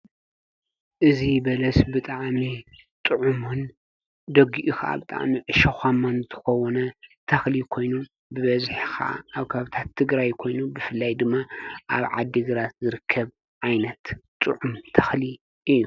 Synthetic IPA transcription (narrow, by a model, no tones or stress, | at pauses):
ʔɨzibɐlɐsbɨt̪ʼaʕmi | t̪ʼɨʕumun | d̪ɐɡiʔuxaʔa̰bɨt̪ʼa̰ʕmiʕɨʃɐxʷamant̪ʰɨ̥xɐwɔnɐt̪ʰɐxlikʰo̞jnu | bɨβɐzħixaʔa̰ʔːβkʰaaβɨt̪ʰat̪ʰːɨɡɾajkʰo̞jnubɨfɨlːajd̪ɨmːaʔaβʕad̪ːiɡɨɾat̪zɨɾɨkʰːɐβ | ʕajnɐt̪t̪ʼɨʕumt̪ʰɐ̥xli | ʔɨjːu